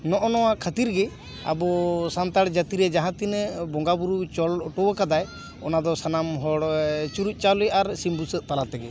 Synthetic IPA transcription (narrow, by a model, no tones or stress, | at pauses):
nɔʔɔnɔwakʰət̪iɾɡɛ | a̰bɔsant̪aɽd͡ʒat̪iɾɛd͡ʒaɦãt̪inbɔŋɡabuɾut͡ʃɔlʈɔwəkad̪aj | ɔnad̪ɔsanamɦɔɽt͡ʃuɾuc̚ˀt͡ʃalɔjaɾsimbusəʔ̪̚t̪alat̪ɛɡɛ